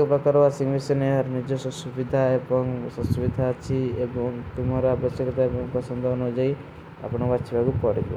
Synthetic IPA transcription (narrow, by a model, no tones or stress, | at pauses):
ɔpɾɔkaɾɔasiŋbisɔneɦaɾnid͡ʒɔsɔsubid̪ʱaebɔŋsɔsubid̪ʱaːt͡ʃʰiebɔŋt̪umaɾɔabɔsɔkɔt̪aebɔŋpɾɔsɔnd̪ʱɔband͡ʒaj | a̰pɔɽ̃ɔbat͡ʃʰibaɡupɔɾibɔ̰